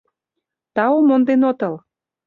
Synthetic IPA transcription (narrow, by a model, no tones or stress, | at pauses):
t̪ɑomond̪enot̪əl